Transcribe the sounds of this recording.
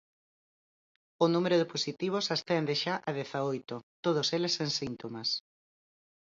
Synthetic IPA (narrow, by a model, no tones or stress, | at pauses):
ʊnũmeɾʊðɪposit̪iβ̞osast̪ɛnd̪ɪʃaʔɐð̞ɛθaojt̪ot̪oð̞oseleseŋsint̪omas